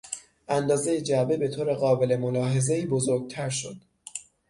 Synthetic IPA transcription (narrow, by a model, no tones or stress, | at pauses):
ʔænd̪ɒːze̞jed͡ʒæbebe̞t̪ʰoːɾe̞ɣɒːbe̞lemolɒːɦe̞ze̞iːbozoɾɡ̚t̪ʰæɾʃod̪̥